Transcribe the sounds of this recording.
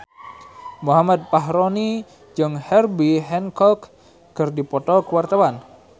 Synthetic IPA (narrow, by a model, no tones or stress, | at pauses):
muɦamad̪̚paɦɾoni | d͡ʒɨŋhɛrbiɦɛnkɔkː | ərdipɔt̪ɔkəwart̪awan